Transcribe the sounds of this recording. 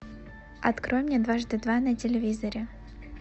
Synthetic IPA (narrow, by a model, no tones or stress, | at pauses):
ɐt̪kɾojmnʲed̪vaʐd̪ɨd̪vanɐtʲɪlʲɪvʲizəɾʲɪ